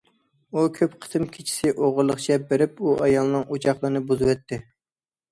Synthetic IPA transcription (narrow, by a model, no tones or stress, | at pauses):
ukʲʰøpqʰə̥t̪ʰɨmkʲʰit͡ʃʰi̥sɪʔoʁʊɾlˠːəχt͡ʃʰɛbeɾɪp̚uʔɑjɑlˠɨnɨŋot͡ʃʰɑχlˠəɾnɨbuzɨwɛt̪ʰːɪ